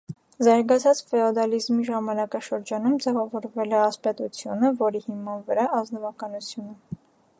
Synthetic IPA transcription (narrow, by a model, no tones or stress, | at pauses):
zɑɾɡɑt͡sʰɑt͡sfɛɔd̪ɑlizmiʒɑmɑnɑkɑʃəɾd͡ʒɑnumd͡zɛvɑvɔɾvɛlɛɑspɛt̪ut͡sʰjunəvɔɾihimɑnvəɾɑɑznɔvɑkɑnut͡sʰjunə